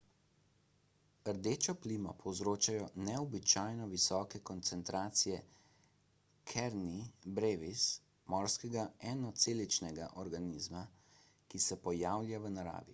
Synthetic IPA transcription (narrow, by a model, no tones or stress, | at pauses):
əɾd̪eːt͡ʃɔpliːmɔpʰɔwzɾoːt͡ʃajɔnɛɔbit͡ʃaːjnɔʋisɔːkɛkɔnt̪sɛnt̪ɾaːt̪sijɛ | kʰɛɾnibɾeːʋis | mɔɾskɛɡaɛnɔt̪seːlit͡ʃnɛɡaʔɔɾɡaniːzma | kisɛpɔjaːwlʲjaʋənaɾa̰ːʋi